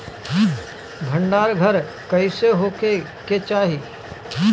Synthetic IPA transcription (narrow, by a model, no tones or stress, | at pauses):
ɡ̪ʱə̃ɳɖaːɾɡʱəɾ | kɐɪseɦoːke | ket͡ʃaːɦiː